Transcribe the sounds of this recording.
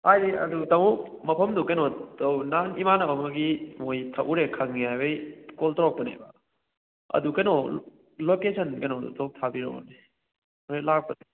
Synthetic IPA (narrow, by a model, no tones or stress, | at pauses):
hajdiɐ̰dutɐŋɔmɐpʰɐmdukɐjnɔtɐwnanimanɐawmɐɡimojtʰɐʔuɾekʰɐŋːiajbejkoltɾɔk̚pɐnḛbɐ | ɐ̰dukɐjnɔ | lokesʰɐnkɐjnɔ̰tɔk̚tʰabiɾɔ̰ɔ̰ni | melak̚pɐne